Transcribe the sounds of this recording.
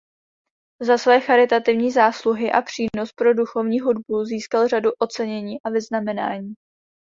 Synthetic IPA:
zasvɛːxaɾɪt̪at̪ɪvɲiːzaːsluɦɪʔapr̝̥iːno̞spɾo̞duxo̞vɲiːɦudbuziːskalr̝aduʔo̞t͡sɛɲɛɲiːʔavɪznamɛna̰ːɲiː

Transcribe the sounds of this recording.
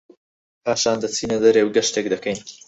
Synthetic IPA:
pʰaːʃaːnd̪ɐt͡sʰiːnɐd̪ɐɾewɡɐʃt̪ekd̪ɐkɐjn

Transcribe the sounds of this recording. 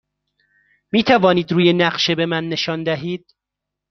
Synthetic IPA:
miːt̪ʰævɒːniːd̪ɾuːje̞næɢʃe̞be̞mænːe̞ʃɒːnd̪æɦiːd̪̥

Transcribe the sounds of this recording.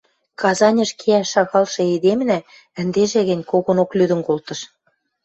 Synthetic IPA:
kɑzɑnʲɤ̆ʃkʰeæʃːɑɣɑlʃɤ̆ed̪emnæ | ə̆nd̪eʒeɣɘ̆nʲkoɣonoklyd̪ə̆nkolt̪ɤ̆ʃ

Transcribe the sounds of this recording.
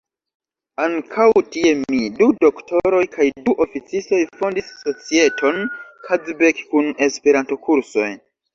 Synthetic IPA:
aŋkʰawtie̞midudo̞kto̞ɾo̞jkʰajduʔo̞fit͡sisto̞jfo̞ndisːo̞t͡sie̞tʰo̞nkʰad͡zbekkːune̞spe̞ɾanto̞kʰuɾso̞̰j

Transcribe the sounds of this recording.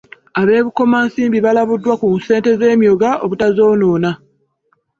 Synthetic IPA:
aβe̞ːβuko̞maːnsiːmbiβalaβudːwakunse̞ːnte̞ze̞ːmjo̞ɡaoβutazo̞ːnoːna

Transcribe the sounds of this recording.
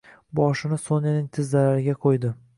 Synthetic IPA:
bɒʃɪnɪsonɪnɪŋt̪ʰɪzd̪alaɾɪɡʲaqʰojd̪ɪ

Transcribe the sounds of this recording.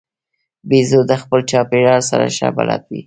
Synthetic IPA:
bizod̪əxpəlt͡ʃɑpeɖɑɽsaɾa̰ʃabalɑ̰t̪̚wi

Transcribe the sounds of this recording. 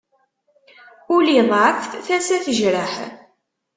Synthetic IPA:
ʊliðˤʕəfθθæsæθəʒɾəħ

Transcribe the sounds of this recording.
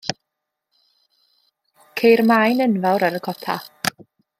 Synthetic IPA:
kʰejrmajnənvawɾaɾəkʰɔpʰa̰

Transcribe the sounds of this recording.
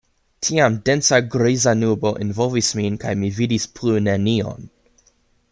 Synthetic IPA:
tʰiamdensaɡɾizanubo̞ʔenvolvisminkajmividispʰlunenio̰n

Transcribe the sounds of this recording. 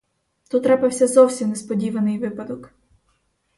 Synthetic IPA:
t̪ut̪ːɾɛpɐwsʲɐzɔwsʲimnɛspɔdʲiʋɐnɪjʋɪpɐd̪ɔk

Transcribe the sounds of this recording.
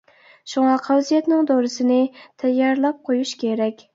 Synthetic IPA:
ʃuŋɑqʰæwzijɛt̪nɪŋd̪oɾɨsɪnɪt̪ʰɛjːɑɾlˠɑp̚qʰojuʃkʲeɾɛkʲ

